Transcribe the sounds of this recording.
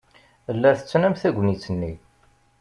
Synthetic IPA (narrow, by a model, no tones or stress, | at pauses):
əlːæθə̥t͡sːnæmθæɡʷnit͡sːənːi